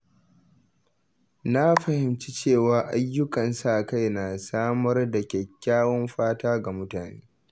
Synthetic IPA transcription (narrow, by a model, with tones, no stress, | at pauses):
na˦ɸɐ˨hɪ˨mt͡ʃi̥˦t͡ʃeː˦˨waː˨ʔa˦jːʊ˦kʼɐ˨nsa˦ʔka˦jna˨saː˦mɐ˦rda˨kʲɛ˨kʲːaː˦wɔ˦mɸaː˦taː˦ɡa˨mʊ˦taː˨nḛː˦